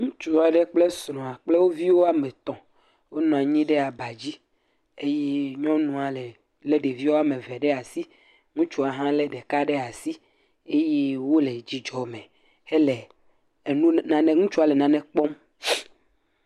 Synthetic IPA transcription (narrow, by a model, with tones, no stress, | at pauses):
ŋũ˦t͡ʃu˦a˨ɖe˦k͡ple˦sɾɔ̃˨a˨k͡ple˦wo˦vi˦wo˦a˦mɛ̃˨t̪ɔ̃˨ | wo˦nɔ̃˨a˨ɲĩ˦ɖe˦a˨ba˨d͡ʑi˦ | e˦je˦ɲɔ̃˦nũ˨a˨le˨ | le˦ɖe˨vi˦wo˦a˦mẽ˨vɛ˨ɖe˦a˨si˦ | ŋũ˦t͡ʃu˦a˨ɦã˦le˦ɖe˨ka˦ɖe˦a˨si˦ | e˦je˦wo˦le˨d͡ʑi˨d͡ʒɔ˨mẽ˨ | e˦le˨ | e˨nũ˦nã˨ne˨ŋũ˦t͡ʃu˦a˨le˨nã˨nɛ̃˦k͡pɔ˦m